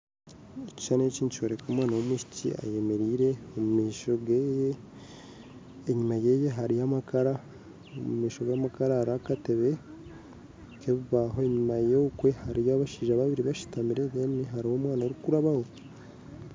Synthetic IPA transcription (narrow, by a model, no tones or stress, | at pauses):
eci̥ʃaneciːncoɾekomwaːnawomuʃi̥cḭa̰je̞me̞ɾiːɾe̞omumiːʃoɡeje | ɲimaje̞jeɦaɾijamakaɾa | omumiːʃo̞ɡaːmakaɾaːɾakate̞βe̞ | keβiβaɦoeɲimajeukwe̞haɾijaβaʃiːʒaβaβiɾiβaʃi̥tamiɾeɡeniɦaɾiho̞ːmwaːnaɾukuɾaβaho̞